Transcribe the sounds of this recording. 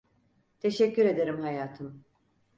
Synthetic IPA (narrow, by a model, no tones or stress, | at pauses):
t̪ʰe̞ʃɛcːyɾe̞d̪e̞ɾimhajaːt̪ʰɯm